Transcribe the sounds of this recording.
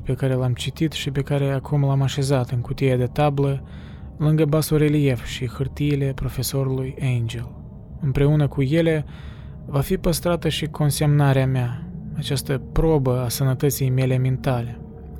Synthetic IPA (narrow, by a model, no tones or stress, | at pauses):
pe̞kaɾe̞lamt͡ʃit̪it̪ʃipe̞kaɾe̞akʰumlamaʃe̞zat̪ɨŋkut̪ijad̪e̞t̪ablə | lɨŋɡəbasoɾe̞lije̞fʃixɨrt̪iːle̞pɾo̞fe̞so̞ɾulujejnd͡ʒel | ɨmpɾe̞unəkuje̞le̞ | vafipəst̪ɾat̪əʃikʰo̞nse̞mnaɾeameaat͡ʃast̪əpɾo̞bəasənət̪ət̪sijme̞le̞mint̪ale̞